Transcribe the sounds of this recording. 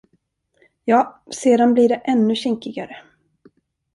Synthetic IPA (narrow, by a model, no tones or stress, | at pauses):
jɑːseːd̪anbliɖɛʔɛnːɵɕɪŋkɪɡaɾə